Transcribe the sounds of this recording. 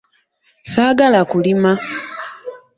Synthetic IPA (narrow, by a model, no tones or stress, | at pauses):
saːɡalakulima